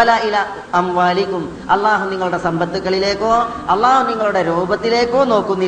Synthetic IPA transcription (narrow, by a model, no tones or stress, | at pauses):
ɐlaːʔila | ɐmʋaːlikːum | ɐlˠːaːɦuniŋːɐɭuɽe̞sɐmbɐt̪ːukːɐɭile̞ːkːo̞ː | ɐlːaːhuniŋːɐɭuɽe̞ɾoːbɐt̪ːile̞ːkːo̞ːno̞ːkːunːi